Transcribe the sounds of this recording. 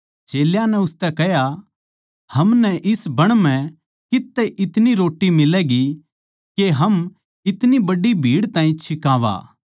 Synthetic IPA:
t͡ʃeːljanɛʊst̪ɛkɛɦja | hɐmnɛʔɪsbɐɽ̃m̤ɛ̃ | kɪt̪ːɛʔɪt̪niɾoːʈːimɪlɛːɡi | keɦɐm | ɪt̪nibɐɖibʱiːɽt̪ãːĩt͡ʃʰɪkaːʋa̰ː

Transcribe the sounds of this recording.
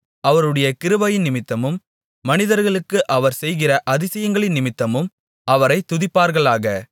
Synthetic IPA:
ɐʋɐɾɯɽɐjɐkɪɾɯʋɐjɪnnɪmɪt̪ːɐmɯmː | ɐnɪðɐɾɣɐɭɯkːɯʔɐʋɐɾsɛjɣɪrɐʔɐðɪsɐjɐŋɡɐɭɪnnɪmɪt̪ːɐmɯm | ɐʋɐɾɐɪt̪ːʊðɪpːaːɾɣɐɭaːɣɐ

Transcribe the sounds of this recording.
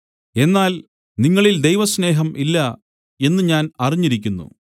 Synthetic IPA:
e̞nːaːl | niŋːɐɭild̪e̞jʋɐsne̞ːɦɐmʔilːɐ | e̞nːɨɲaːnɐriɲːiɾikʲːunːṵ

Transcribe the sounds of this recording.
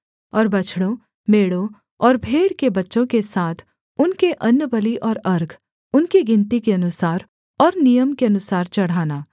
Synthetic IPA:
ɔːɾbɐt͡ʃʰɽõ | meːɽõ | ɔːɾbʱeːɽkebɐtːʃõkesaːt̪ʰ | ʊnkeʔɐnːəbəliʔɔːɾɐɾɡʱ | ʊnkiɡɪ̃nt̪ikeɐnʊsaːɾ | ɔːɾnijəmkeɐnʊsaːɾt͡ʃɐɽ̤aːnaː

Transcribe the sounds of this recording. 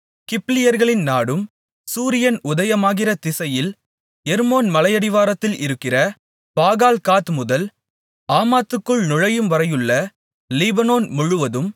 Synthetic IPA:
kɪplɪjɐɾɣɐɭɪnnaːɽɯm | suːɾɪjɐnʊðɐjɐmaːɣɪrɐt̪ɪsɐjɪl | ɛɾmoːnmɐlɐjɐɽɪʋaːɾɐt̪ːɪlɪ̰ɾɯkːɪrɐ | paːɣaːlkaːt̪mʊðɐl | aːmaːt̪ːɯkːɯɭnʊɻɐjɯmʋɐɾɐjɯɭːɐ | lɪbɐnoːnmʊɻʊʋɐðɯm

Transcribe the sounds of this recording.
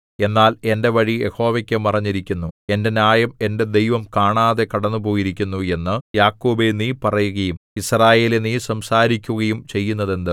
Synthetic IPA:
e̞nːaːle̞nde̞ʋɐɻijʔe̞̰ho̞ːʋɐkʲːɨmɐrɐɲːiɾikʲːunːue̞nde̞naːjɐme̞nde̞d̪e̞jʋɐmkaːɳaːðe̞kɐɽɐnːupo̞ːjiɾikʲːunːue̞nːɨjaːkːoːbeniːpɐrɐjuɣɐjumisraːje̞ːleniːsɐmsaːɾikʲːuɣɐjumt͡ɕe̞jːunːɐðe̞nd̪ɨ

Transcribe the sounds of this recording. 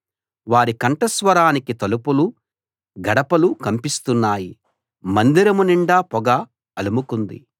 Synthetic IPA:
ʋaːɾikɐɳʈɐsʋɐɾaːnikit̪ɐlupulu | ɡɐɽɐpɐlukɐmpist̪unːaːji | mɐnd̪iɾɐmuniɳɖaːpɔɡa | ɐlumukund̪ḭ

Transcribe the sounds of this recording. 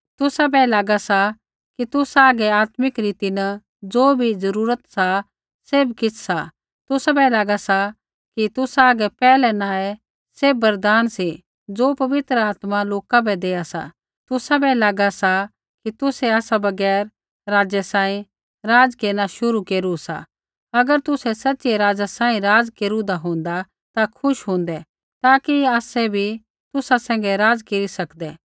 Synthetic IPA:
t̪ʊsabɛlaːɡasa | kit̪ʊsaːɡɛaːt̪mɪkɾiːt̪inə | d͡zoːbʱid͡zɐɾuːɾət̪sa | seːbkɪt͡sʰsa | t̪ʊsabɛlaːɡasa | kit̪ʊsaːɡɛpɛːlɛnãːɛ | sebɐɾd̪aːnsi | d͡zoːpɐʋɪt̪ɾəaːt̪maloːkabɛd̪eːasa̰ | t̪ʊsabɛlaːɡasa | kit̪ʊsɛaːsabɐɡɛːɾ | ɾaːd͡zɛsãːĩ | ɾaːd͡zkeːɾnaʃʊɾukeːɾusa̰ | ɐɡəɾt̪ʊsɛsɐtːʃeɾaːd͡zasãːĩɾaːd͡zkeːɾũd̪aɦõːnd̪a | t̪akʰʊʃɦõːnd̪ɛ | t̪aːkiaːsɛbʱi | t̪ʊsasɛ̃ːŋɡɛɾaːd͡zkeːɾisɐkd̪ɛː

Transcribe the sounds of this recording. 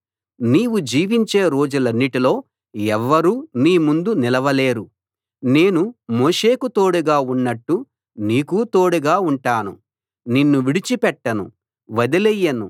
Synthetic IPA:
niːwud͡ʒiːʋiɲt͡ʃeːɾo̞ːd͡ʒulɐnːiʈilo̞ː | ɛʋːɐɾuːniːmund̪unilɐʋɐle̞ːɾu | neːnumoːʂe̞ːkut̪o̞ːɽuɡaːunːɐʈːu | niːkut̪o̞ːɽuɡaːuɳʈaːnṵ | ninːuʋiɽit͡ʃipɛʈːɐnṵ | ʋɐd̪ilɛjːɐnṵ

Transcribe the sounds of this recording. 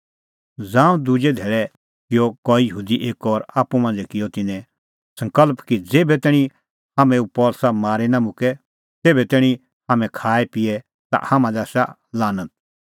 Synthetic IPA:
d͡zãːũd̪ʊd͡ʒed̪ʱeːɭɛ | kɪjɔkɔːijəɦuːd̪iʔeːkɔːɾaːpːumãːnd͡zɛkɪjɔt̪ɪnɛ̃ | sɐ̃ŋkəlpkid͡zeːbɛt̪ɛːɽ̃ĩ | haːmɛ̃upɔːlsamaːɾenamʊkɛ | t̪eːbɛt̪eːɽ̃ĩ | haːmɛ̃kʰaːɛpɪɛ | t̪a̰hamãd̪ɐsa̰ | laːnət̪̚

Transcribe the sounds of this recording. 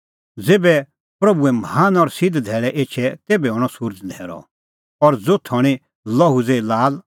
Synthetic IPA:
d͡zeːbɛ | pɾɐbuɛmɦaːnɔɾsɪd̪d̪ʱɛːɭɛʔeːt͡ʃʰɛt̪eːbɛɦɔːɽ̃ɔsʊɾd͡ʒd̪ʱɛːɾɔ̰ | ɔɾd͡zot̪ʰɔɽ̃ĩ | lɐɦud͡zelaːl

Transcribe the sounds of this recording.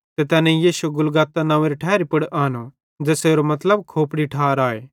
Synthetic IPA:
t̪et̪ɛːnẽijiːʃueɡʊlɡaːt̪ːanãːʋeɾiʈʰɛːɾipɐɽʔaːno | d͡ʒeːseːɾomɐt̪ləbkʰoːpɽiʈʰaːɾaːeː

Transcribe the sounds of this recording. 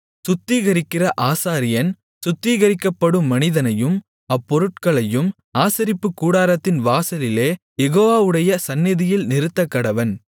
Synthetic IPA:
sʊt̪ːiːɣɐɾɪkːɪrɐʔaːsaːɾɪjɐn | sʊt̪ːiːɣɐɾɪkːɐpːɐɽɯmːɐnɪðɐnɐjɯm | ɐpːɔɾɯʈ̚kɐɭɐjɯm | aːsɐɾɪpːɯkːuːɽaːɾɐt̪ːɪnʋaːsɐlɪleː | jɛɣoːʋaːʋɯɽɐjɐsɐnːɪðɪjɪlnɪɾɯt̪ːɐkːɐɽɐʋɐn

